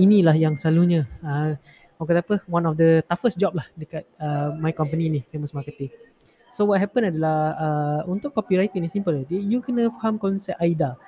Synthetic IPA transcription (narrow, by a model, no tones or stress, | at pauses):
inĩlahjaŋsəlaluɲãə | ɔ̃kət̪apəwãnɔfdət̪afəsd͡ʒɔp̚lahdəkat̪̚əmajkɔmp̬əninifeməsmakət̪ɪŋ | sowɔt̚ɦɛpə̃nadalahəunt̪ʊʔkːɔpiɾajt̪iŋnisimpəlat̪ijukənəfaɦamkɔnsɛtaida